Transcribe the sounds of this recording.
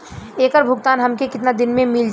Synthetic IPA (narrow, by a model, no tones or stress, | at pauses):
eːkəɾbʱʊɡt̪aːnɦɐmkekɪt̪nad̪ɪnmẽmɪld͡ʒ